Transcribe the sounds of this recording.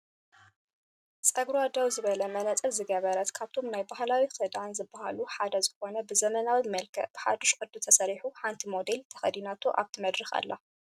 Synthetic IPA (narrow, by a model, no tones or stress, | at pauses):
t͡sʼɐɡɾad̪ɐwzɨβɐlɐmɐnɐt͡sʼɨlzɨɡɐβɐɾɐt̪kʰaβt̪ʰo̞mnajbahlawisʰɐd̪ʕanzɨbːahaluħad̪ɐzɨxo̞nɐbɨzɐmɐnawimɐlkʰɐ̰ʔb̥ɨħa̰d̪oʃkʼɨd̪ːut̪ʰɐsɐɾiħuħant̪ʰimo̞d̪elt̪ʰɐ̥xɐd̪inat̪ʰuʔa̰βt̪ʰimɐd̪ɾɨxa̰lːa̰